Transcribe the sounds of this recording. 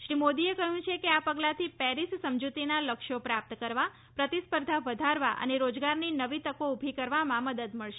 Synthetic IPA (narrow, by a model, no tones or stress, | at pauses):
ʃɾimod̪iekəɦũt͡ʃʰekeapəɡlat̪ʰipɛɾissəmd͡ʒut̪inaləkʃopɾap̚t̪əkəɾʋa | pɾət̪ispəɾd̪ʱaʋəd̪ʱaɾʋaʔə̰neɾod͡ʒɡaɾninəʋit̪əkoubʱikəɾʋamãməd̪əd̪məɭʃe